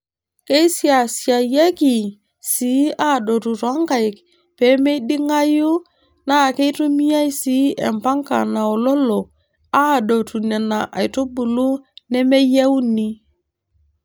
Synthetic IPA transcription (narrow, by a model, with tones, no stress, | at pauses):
ke˦i˦sja˨sja˨jɛ˦ki˨ | si˨˦a˦˨ɗo˨tu˨ɾwa˦ŋka˨ɪ˨k | pɛ˨˦me˦i˦di˦ŋa˦ju˦ | na˦˨ke˦i˦tu˦mi˦ja˦i˦si˨˦ɛ̰˨mpa˦ŋka̰˨na˨o˨lɔ˦lo˨ | a˦˨do˨tu˨nɛ˨na˨ʔa̰˨jto˦bu˨lu˦nɛ˦me˦jɛ˦u˦ni˦